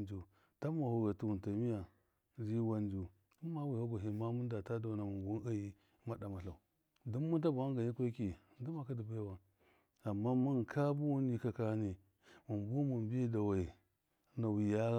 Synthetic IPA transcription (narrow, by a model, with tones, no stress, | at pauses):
d͡ʒu˨ | ta˦ma˨hu˨ɣa˨tu˨wu˨nta˨mi˦ja˨ | zi˦wa˦nd͡ʒu˨ | tu˦ma˦wi˨ha˦ɡo˨ɦi˨ma˦mu˦n˦da˨ta˦da˨na˨mu˨bu˦n˦a˦ji˦ | ma˦da˨ma˨ɬa˨u˨ | du˦m˦mu˦ta˦bu˨a˦ŋɡa˨ɲi˦kʷe˦ki˨ | du˦ma˨ka˦di˨ba˦ja˨wa˨n | a˨mːa˦mu˦n˨kʰa˦bu˦wu˦ni˦ka˨ka˦ni˨ | mu˨mbu˦mu˨mbe˦da˨wa˨i˨ | na˨wi˨ja˦